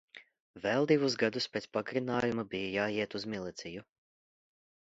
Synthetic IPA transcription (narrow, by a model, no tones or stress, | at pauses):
vɛlˠd̪ivusɡad̪uspʲeːt̪spaɡɾinaːjumabijajaːiɛt̪uzmilˠit̪siju